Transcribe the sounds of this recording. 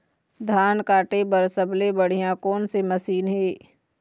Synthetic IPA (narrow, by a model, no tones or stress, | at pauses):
d̪ʱaːnkaːʈebəɾsəblebəɽ̤ijãkoːnsemɐsiːnɦeː